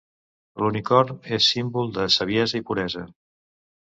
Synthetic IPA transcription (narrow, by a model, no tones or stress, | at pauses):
lunikɔrnesːimbulˠd̪əsəβjɛzəipuɾɛzə